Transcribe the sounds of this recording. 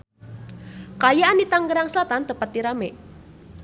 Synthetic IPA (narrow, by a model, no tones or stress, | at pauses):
kajaanit̪aŋɡəɾaŋsəlat̪ant̪əpat̪̚ːiɾame